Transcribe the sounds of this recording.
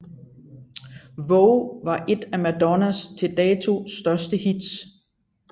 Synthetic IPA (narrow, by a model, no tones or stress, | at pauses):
ʋɔʊʋɑ̈ʔe̝d̥æmæd̥ɒnæst͡sʰe̝ld̥ɛːt͡sʰo̝̰sd̥ɶɐsd̥əhid̥s